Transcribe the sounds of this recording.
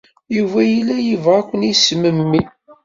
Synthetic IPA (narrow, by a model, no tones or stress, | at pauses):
juvæjilːæjivʁækʷːənisməmːi